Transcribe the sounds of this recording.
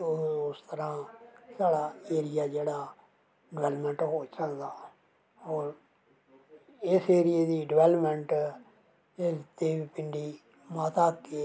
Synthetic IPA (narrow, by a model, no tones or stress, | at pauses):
ʊst̪əɾãːsaːɽaːeːɾɪjaːd͡ʒeːɽaː | ɖɪʋɛːləpmə̃ɳʈɦoːt͡ʃəd̪aː | oːɾ | ɪseːɾɪjeːd̪iːɖɪʋɛːləpmɛ̃ɳʈ | et̪eːʋiːpɪɳɖiː | mat̪aːkːe